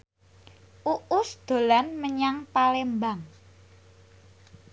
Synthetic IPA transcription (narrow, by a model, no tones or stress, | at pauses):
ʔuʔʊsd̪̥o̤lanməɲaŋpalembaŋ